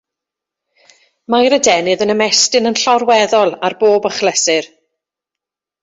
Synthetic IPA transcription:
majɾədɛnɨðənəmɛstɨnənɬɔrwɛðɔlˠarboːbəχlɛsɨr

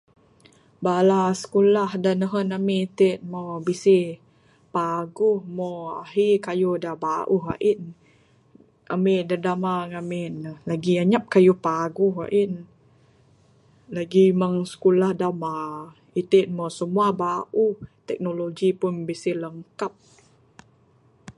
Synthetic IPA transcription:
balasə̥kulahdanəɦənamit̪et̪̚mobisi | paɡuhmoa̰ɦikajudahbaʔuɦa̰ʔin | a̰midadamaŋaminlaɡiaɲap̚kajupaɡuha̰ʔin | laɡimaŋsə̥kulahdama | it̪en̚mosəmuabaʔuht̪ɛk̚noloɡipʊnbisiləŋkap̚

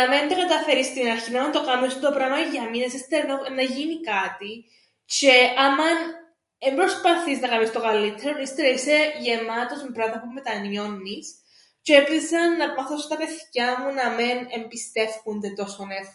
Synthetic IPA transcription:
nɐment̪okɐt̪ɐfeɾist̪inɐɾçinɐnont̪okamisund̪opɾɐnoʝɐminesist̪eɾnonɐʝinikɐt̪i | t͡ʃeɐmɐn | embɾospɐθiznɐkɐmist̪okɐlːit̪ʰːeɾonist̪eɾoise̞ʝemɐt̪o̞smebɾɐðmɐpume̞t̪ɐnjo̞nːis | cepisɐnːɐpmɐθosot̪ɐpe̞θcɐmunɐmenembist̪e̞fkund̪et̪o̞sonex

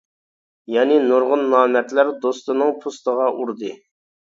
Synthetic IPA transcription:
jɑːnɪnuɾʁʊnːɑːmɛt̪læɾd̪ost̪ɨnɨŋpʰust̪əʁɑʔuɾd̪ɨ

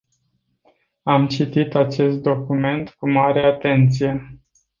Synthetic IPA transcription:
amt͡ʃit̪it̪at͡ʃe̞st̪̚d̪o̞kume̞nt̪kumaɾeat̪e̞nt̪sije̞

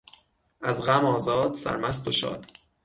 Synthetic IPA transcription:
ʔæzɣæmɒːzɒːd̪̥sæ̰ɾmæs̬t̪oʃɒ̰ːd̪̥

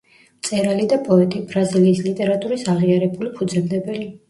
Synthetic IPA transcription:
mt̪sʼɛɾalid̪apʼɔɛt̪ʼibɾaziliːslit̪ʼɛɾat̪ʼuɾisaʁiaɾɛbulipʰud̪zɛmd̪ɛbɛli

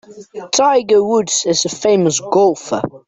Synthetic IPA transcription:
tʰaɪɡəwʊdzɪzəfẽɪ̃məsɡ̥ɔlˠfə̰

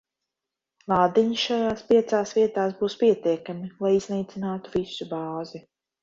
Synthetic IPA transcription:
lˠaːd̪iɲiʃajaːspiɛt̪saːsviɛt̪aːsbuːspiɛt̪iɛkamilˠajiznɛjt̪sinaːt̪uvisubaːzi

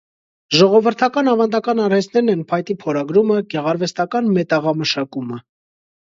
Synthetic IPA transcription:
ʒɔʁɔvəɾt̪ʰɑkɑnɑvɑnd̪ɑkɑnɑɾhɛsʰnɛɾnɛnpʰɑjt̪ipʰɔɾɑɡɾuməɡɛʁɑɾvɛst̪ɑkɑnmɛt̪ɑʁɑməʃɑkumə

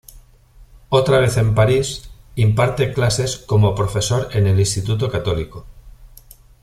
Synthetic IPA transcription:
ot̪ɾaβ̞e̞θe̞mpaɾisimpaɾt̪e̞klase̞sko̞mo̞pɾofe̞so̞ɾe̞ne̞linst̪it̪ut̪̬okat̪o̞liko

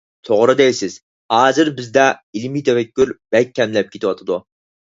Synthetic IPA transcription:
t̪ʰoʁɾɨd̪ɛjsɪz̥ | hɑːzɨɾbɪzd̪ɛilmijt̪ʰɛfɛkʲːyɾb̥ɛk̚ʲʰːɛmlɛp̚kʲʰet̪ʰɪwɑt̪ʰɨd̪u

